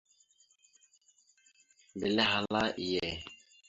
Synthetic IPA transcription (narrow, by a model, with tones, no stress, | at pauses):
be˨le˦ɦa˨la˦ʔi˨je˨